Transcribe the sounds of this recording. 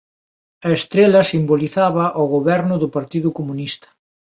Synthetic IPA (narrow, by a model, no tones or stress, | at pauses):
ɐest̪ɾelɐsimboliθaβɐʔoɣoβɛɾnʊðʊpaɾt̪iðʊkomunist̪ɐ̥